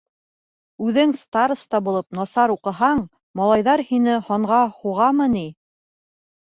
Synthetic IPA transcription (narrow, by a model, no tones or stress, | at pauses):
ʉðɘŋst̪aɾst̪ɑbulˠɤp̚nɑsɑɾuqɤ̆ɦɑɴ | mɑlˠɑjðɑɾhinɘhɒɴʁɑhuʁɑmɤni